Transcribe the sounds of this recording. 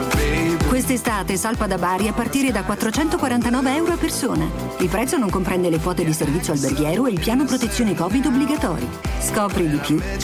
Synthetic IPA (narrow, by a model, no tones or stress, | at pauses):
kwest̪est̪aːt̪esalpad̪abaːɾiapːart̪iːɾed̪akwat̪ːɾot͡ʃɛnt̪okwaɾant̪anɔːveɛwɾoapːersoːna | ilpɾɛt̪sonoŋkompɾɛnd̪elefɔːt̪ed̪iservit̪sjoalberɡjɛːɾoeilpjaːnopɾot̪et̪sːjoːnekɔːvid̪obːliɡat̪ɔ̰ːɾjiskɔːpɾid̪ipju